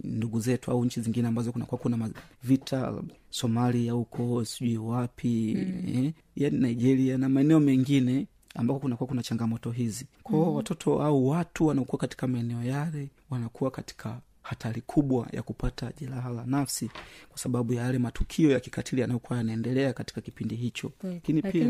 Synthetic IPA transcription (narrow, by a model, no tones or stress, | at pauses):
nduɡuzɛtua̰uɲ̩t͡ʃiziŋɡinɛambazɔkunakuwakunamavitʰa̰ | sɔmaliahukʰɔsiʄuiwapʰiɛ | janinaiʄɛɾianamaɛnɛɔmɛŋɡinɛ | a̰mbakɔkunakuwakunat͡ʃaŋɡamɔtɔɦizikʰɔɔwatɔtʰɔʔauwatuwanaɔkuwakati̥kamaɛnɛɔjalɛ | wanakuwakati̥kʰa | hatʰalikʰuɓwa̰ja̰kupataʄɛlaɦalanafsikwasaɓaɓujaalɛmatukʰiɔjaki̥katʰilianajɔkuwajanaɛndɛlɛakati̥kakipindiɦit͡ʃɔ̰akinipia